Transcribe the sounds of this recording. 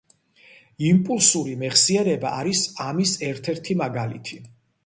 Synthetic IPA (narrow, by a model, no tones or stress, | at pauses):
impʼulˠsuɾimɛχsiɛɾɛba̰ːɾisamisɛɾt̪ʰɛɾt̪ʰimaɡalḭt̪ʰi